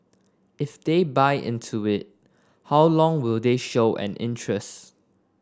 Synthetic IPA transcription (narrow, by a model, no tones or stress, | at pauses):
ɪfdebaɪʔɪ̰̃ntʰuɪt̚ | hawlɔ̃ŋwɪldeʃoʊʔɛ̰̃nʔɪ̰̃ntɹɛst